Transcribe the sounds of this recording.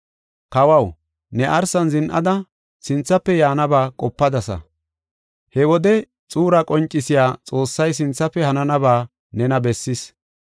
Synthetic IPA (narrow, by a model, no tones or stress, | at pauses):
kɐwɐw | nɛʔɐɾsɐnzɪnʔɐ̰d̪ɐ | sɪnt͡sːɐpːɛjaːnɐbaːkʼɔpːɐd̪ɐsɐ̰ | hɛwɔd̪ɛ | t͡sʼuːɾɐkʼɔnt͡ʃʼːɪsɪjaːt͡sʼo̞ːsːɐjs̬ɪnt͡sːɐpːɛhɐnɐnɐbaː | nɛnɐbɛsːɪs